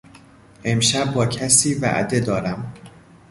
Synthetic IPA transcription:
ʔe̞mʃæb̚ːɒːcʰæsiːvæ̰ʔd̪e̞d̪ɒːɾæm

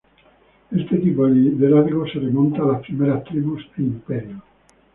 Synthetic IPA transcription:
est̪et̪ipoðid̪elaɾɣoseremõnt̪aːlaspɾimeɾast̪ɾiβuseimpeɾjo

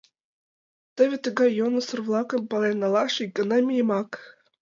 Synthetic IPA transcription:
t̪ɘ̆βʲĕt̪ə̆ɡɑjonusɤ̆rvlˠɑkɤ̆mpɑlɑjnɑlˠɑʂiɡɤ̆nɑmʲijemɑk

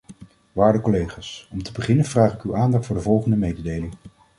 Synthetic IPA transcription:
ʋaːɹdəkɔlejχaːsɔmtəbəχɪnənv̥raːχɪkywʔaːndɑχtfʊːɹdəvɔlˠχəndəmejdədejlɪŋ

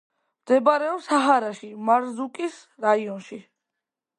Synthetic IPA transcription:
md̪ɛbaɾɛɔsaɦaɾaʃimaɾzukʼis | ɾaiɔnʃi

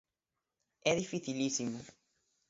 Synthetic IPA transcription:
ɛðifiθilisimʊ

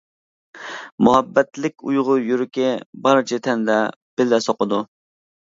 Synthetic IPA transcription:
muɦɛbːɛt̪lɪkʲujʁʊjuɾɪkʲɛbɑɾt͡ʃʰɪt̪ʰɛnd̪ɛb̥ɪlːɛsɑqəd̪u

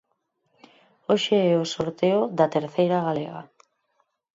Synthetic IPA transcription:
oʃeɛosoɾt̪eoðat̪eɾθejɾaɣalḛɣa̰

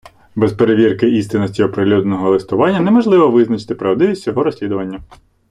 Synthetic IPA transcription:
bɛspeɾeʋʲirkɪʔist̪ɪnɔsʲiɔpɾɪlʲud̪nɔɦɔlˠɪst̪ʊʋɑnʲːɐnemɔʒlˠɪʋɔʋɪznɐt͡ʃɪ̥t̪ɪpɾɐʋd̪ɪʋʲisʲt͡sʲɔɦɔɾɔsʲlʲid̪ʊʋɐnʲːɐ

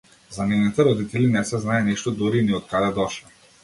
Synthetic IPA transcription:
zanɛnit̪ɛɾɔd̪it̪ɛlinɛsɛznaɛniʃt̪ɔd̪uɾiniɔt̪̚kad̪ɛd̪ɔʃɛ

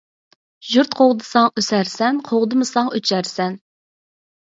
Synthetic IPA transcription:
ʒuɾt̪qʰoʁd̪ɨsɑŋøsæɾsɛnqʰoʁd̪ɨmɨsɑŋøt͡ʃʰæɾsɛn

